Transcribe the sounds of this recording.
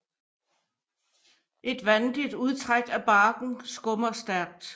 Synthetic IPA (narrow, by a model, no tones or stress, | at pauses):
ʔe̝d̥ʋænd̥id̥uð̞ˠt͡sʰʁaɡ̥æb̥ɑ̈ːɡ̥n̩sɡ̥ɔ̽mɐsd̥æɐ̰ɡ̥̚d̥